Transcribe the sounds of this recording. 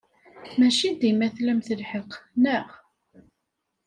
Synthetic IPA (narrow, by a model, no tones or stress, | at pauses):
mæʃind̪imæθlæmθəlħəqːnəʁ